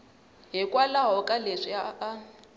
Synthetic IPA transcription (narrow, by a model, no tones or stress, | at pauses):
ɦɪkʼwalaɦɔkʼaleʂiaa